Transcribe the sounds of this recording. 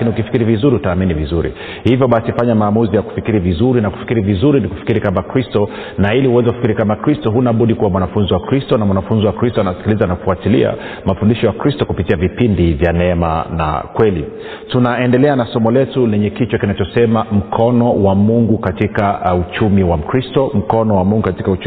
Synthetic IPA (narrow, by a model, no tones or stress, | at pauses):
kiniukifikiɾivizuɾiutaːminivizuɾḭ | hivjɔɓasifaɲamaːmuzijaku̥fikiɾivizuɾinaku̥fi̥kiɾivizuɾiniku̥fi̥kiɾikamakɾistɔ | nailihuwɛzɛkufi̥kiɾikamakɾistɔɦunaɓuɗikuwamwanafunziwakɾistɔnamwanafunziwakɾistɔanasi̥kilizanaku̥fuatilia̰ | mafundiʃɔjakɾistɔkupitiavipindivjanɛma̰na̰kwɛli | tunaɛndɛlɛanasɔmɔlɛtulɛɲɛkit͡ʃɔkinat͡ʃɔsɛmam̩kʰɔnɔwamuŋɡukatikaut͡ʃumiwam̩kɾistɔm̩kɔnɔwamuŋɡukati̥kaut͡ʃ